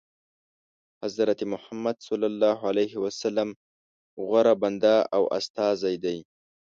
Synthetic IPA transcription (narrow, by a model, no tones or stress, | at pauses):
hazɾat̪imʊhamːad̪sɑlːalːɑɦalajɦiwasalːam | ɣwaɾaband̪aawʔa̰st̪ɑzajd̪aj